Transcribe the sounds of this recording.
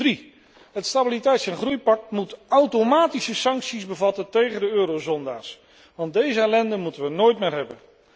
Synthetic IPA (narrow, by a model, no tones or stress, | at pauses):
ri | ɦətstabilitɛjtsɛnχrujpɑk̚tmutʔawtomaːtisəsɑŋksizbəvɑtəntejχəndəøːɾowzɔnda̰ːɹs | ʋɑndejzəɛlɛndəmutənʋənoːjtmɪːɹɦɛbən